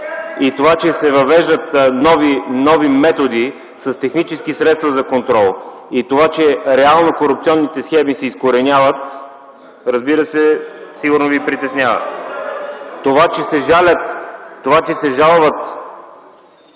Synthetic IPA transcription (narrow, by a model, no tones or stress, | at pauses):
it̪ovat͡ʃɛsɛvɐvɛʒd̪ət̪nɔvinɔvimɛt̪od̪i | sɐst̪ɛxnit͡ʃɛskisɾɛt̪st̪vɐzɐkont̪ɾɔlˠ | it̪ovat͡ʃɛɾɛalˠnokoɾup̚t̪siɔnːit̪ɛsxɛmisɛiskoɾɛnʲavət̪ | ɾəzbiɾəsɛsiɡʊɾnovipɾit̪ɛsnʲavə̰ | t̪ːovat͡ʃɛsɛʒalʲət̪ːovat͡ʃɛsɛʒalˠvət̪